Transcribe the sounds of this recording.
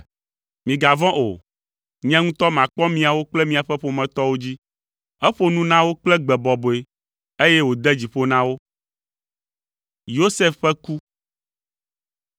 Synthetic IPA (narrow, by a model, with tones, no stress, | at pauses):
mĩ˨ɡa˨vɔ̃˦ʔo˨ | ɲɛ̃˦ŋũ˦t̪ɔ˦mã˨k͡pɔ˦mĩ˨a˨wo˦k͡plɛ˦mĩ˨a˨ɸɛ˦ɸo˨mɛ̃˨t̪ɔ˦wo˦d͡ʑi˦ | ɛ˦ɸo˦nũ˦nã˦wo˦k͡plɛ˦ɡ͡bɛ˨bɔ˨bo˨e˨ | e˦jɛ˦wo˨d̪ɛ˦d͡ʑi˨ɸo˦nã˦wo˦ | jo˦sɛ˦fɸɛ˦ku˦